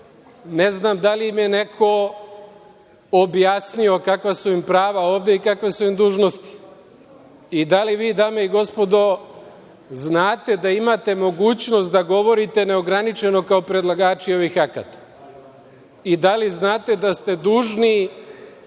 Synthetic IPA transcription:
ne̞znamd̪aliimje̞ne̞kʰo̞ | objaːsnio̞kakʋasuimpɾaːʋao̞ːʋd̪eikakʋe̞suimd̪uːʒno̞st̪i̥ | id̪aliʋiːd̪aːme̞iɡo̞spo̞d̪o̞ | znaːt̪e̞d̪aimat̪e̞mo̞ɡuːt͡ɕno̞st̪d̪aɡo̞ʋo̞ɾit̪e̞ne̞o̞ɡɾanit͡ʃe̞no̞kaopɾe̞d̪lˠaɡaːt͡ʃio̞ʋixaka̰t̪ḁ | id̪aliznaːt̪e̞d̪ast̪e̞d̪uːʒni

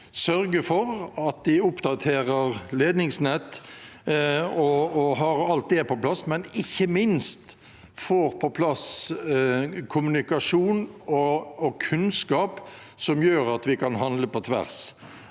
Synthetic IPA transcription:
sœɾɡəfɔɾɑt̪̚d̪ɪʊpd̪ɑt̪ʰeːɾəɾleːd̪nɪŋsnɛt̪ː | ɔɔɦɑɾɑlt̪̚d̪ɛɛpɔplɑsmɛnɪçːəmɪnst̪ | foːɾpʰɔpʰlɑs | kʰʊmʉnɪkɑʂuːnɔːkʰʉnskɑːp | sɔmjøːɾɑt̪ʋɪkʰɑnɦɑnləpɔt̪ʰʋæ̰ʁs

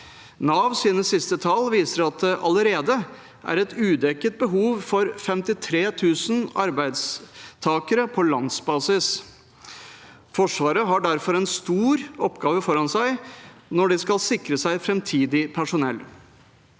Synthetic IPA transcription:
nɑːʋsiːd̪nəsɪst̪ət̪ʰɑlʋiːsəɾɑt̪̚d̪ɛʔɑləɾeːd̪ə | ʔæ̰ɾɛt̪ʉːd̪ɛkːət̪̚bəɦuːʋfɔɾfɛmt̪ɪt̪ʰɾeːt̪ʰʉːsnɑ̰ɾbæɪd̪st̪ʰɑːkəɾəpʰɔlɑnsbɑːsɪs | fɔʂʋɑːɾəɦɑɖæɾfɔɾɛnst̪uːɾɔpɡɑːʋəfɔɾɑnsæɪnɔɖɪskɑlsɪkɾəsæɪfɾɛmt̪ʰiːd̪ɪpʰæʂʊnɛ̰lː

